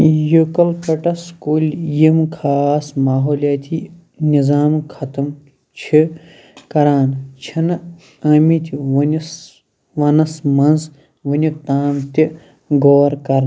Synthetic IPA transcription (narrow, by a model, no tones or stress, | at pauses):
jukɐlpɐʈɐskuːlʲjimkʰaːsmaːɦoːlʲjaːt̪ʲʰi | nizaːmkʰɐt̪ɐm | t͡ʃʰi | kɐɾaːnt͡ʃʰinɨ | ɐːmit̪ʲiʋns | ʋɐnɐsmɐnz | ʋɐnʲuk̚t̪aːmt̪ʲi | ɡoːɾkɐɾn